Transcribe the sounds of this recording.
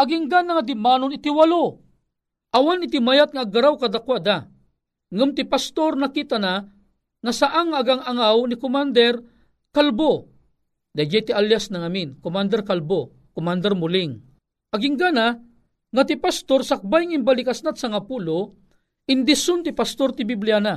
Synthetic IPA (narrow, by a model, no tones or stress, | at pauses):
ʔaɡiŋɡanaŋad̪ɪmaːnʊnɪt̪iwalo | ʔawanɪt̪ɪmajat̪̚ŋaːɡaɾawkad̪akwad̪a | ŋʊmt̪ɪpast̪ornakit̪ana | ŋasaʔaŋːaːɡaŋaŋawnikʊmand̪ɛr | kalbo | d̪ajd͡ʒajt̪ialjasnaŋaminkomand̪ɛrkalbo | komand̪ɛrmʊlɪŋ | ʔaɡiŋɡana | ŋat̪ɪpast̪orsak̚bajŋaimbalɪkasnat̪saŋapulo | ɪnd̪ɪsʊnt̪ɪpast̪ort̪ɪbiblijana